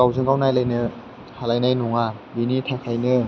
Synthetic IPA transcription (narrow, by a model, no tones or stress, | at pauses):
awzɯŋɡawnajlajnɯ | halajnajnuŋabinitʰakʰajnɯ